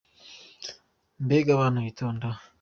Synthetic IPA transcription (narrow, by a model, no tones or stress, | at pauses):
mbeɡaβanoit̪ʰoːnda